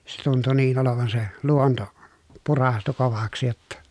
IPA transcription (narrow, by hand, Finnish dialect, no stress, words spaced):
se tuntu niːn oloʋɑn se luonto purɑstu koʋɑksĭ jotːɑ